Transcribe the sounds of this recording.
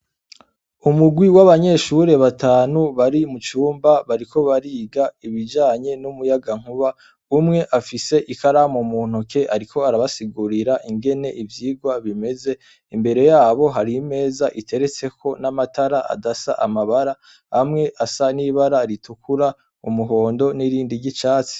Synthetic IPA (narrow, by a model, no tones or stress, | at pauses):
umuɡwiwaβaɲe̞ʃuɾe̞βatʰaːnuβaɾimut͡ʃuːmbaβaɾikʰo̞βaɾiːɡaiβid͡ʒaːɲe̞numujaɡaŋ̥huβa | umŋe̞ʔafise̞ʔikaɾamomuːn̥uke̞ʔaɾikʰo̞aɾaβasiɡuɾiɾaʔiŋɡe̞ne̞ʔivjiːɡwaβime̞ze̞ | imbe̞ɾe̞jaːβo̞ɦaɾime̞ːzaʔitʰe̞ɾe̞t͡se̞kʰo̞namataɾaʔa̰dasa̰ʔamaβaɾa | hamŋe̞ʔasaniːβaɾaɾitukuɾa | ṵmuɦo̞ːndo̞niɾiːndiɟit͡ʃaːt͡si̥